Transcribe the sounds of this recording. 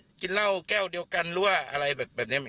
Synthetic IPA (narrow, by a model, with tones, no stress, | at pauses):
ki˧nla˥˩wkɛː˥˩wdi˧əwka˧nlu˦˧˥ɐʔa̰˧ɾa˧jbɛː˨˩p̚bɛː˨˩ni˦˥˨m˧